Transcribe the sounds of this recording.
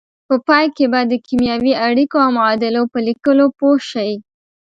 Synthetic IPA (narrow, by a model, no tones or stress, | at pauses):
pəpɑjkebad̪əkimjɑwiaɽikoawmʊɑd̪ɪlopəlikəlopoʃawi